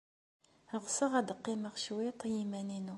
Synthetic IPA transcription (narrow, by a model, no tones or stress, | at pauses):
əʁsəʁæd̪qːiməʁʃwit̪ˤːjimæninu